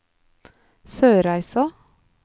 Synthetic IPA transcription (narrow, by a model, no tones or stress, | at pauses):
søːɾæɪsɑ